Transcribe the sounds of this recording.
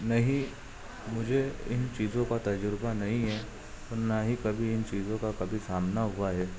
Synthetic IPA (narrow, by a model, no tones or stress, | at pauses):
nɐɦĩ | mʊd͡ʒʱeɪnt͡ʃiːzõkat̪ɐd͡ʒɾbanɐɦĩɦɛː | t̪oːnaɦikɐbʱiɪnt͡ʃiːzõkakɐbʱisaːmnaɦʊaɦɛː